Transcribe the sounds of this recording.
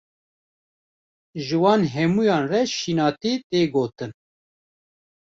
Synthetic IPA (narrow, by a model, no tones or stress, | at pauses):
ʒɨwɑːnɦɛmujɑːnrɛʃinɑːt̪iːt̪eːɡoːt̪ɨn